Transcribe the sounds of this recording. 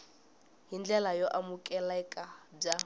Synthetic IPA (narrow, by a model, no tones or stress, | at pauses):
ɦind͡ɮɛlajɔʔamukʼɛlɛkʼab͡ʐa